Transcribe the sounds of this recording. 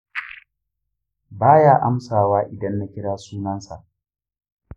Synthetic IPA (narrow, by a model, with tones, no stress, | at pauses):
baː˦jaː˦ʔa˦msaː˨waː˦ʔɪ˨dɐ˦nːa˦kʲɪ˦ɽaː˦suː˦nɐ˦nsa̰˨ʔ